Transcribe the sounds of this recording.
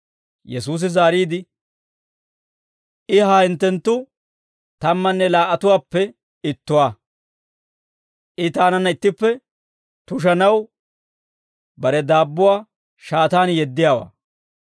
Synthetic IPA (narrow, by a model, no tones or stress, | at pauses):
jɛsuːs̬ɪzaːɾiːd̪ɪ | ʔɪɦaːɪnt̪ːɛnt̪ːʊ | t̪ɐmːɐnːɛlaːʔɐt̪ʊwaːpːɛ | ɪt̪ːʊwaː | ʔɪt̪aːnɐnːɐɪt̪ːɪpːɛ | t̪ʊʃ̬ɐnɐw | bɐɾɛd̪aːbːʊwaː | ʃaːt̪aːnjɛd̪ːɪjaːwa̰ː